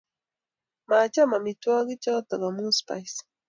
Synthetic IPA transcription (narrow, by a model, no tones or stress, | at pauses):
mat͡ʃamamɪt̪waɢɪt͡ʃawt̪ɑɢɑmʊspajs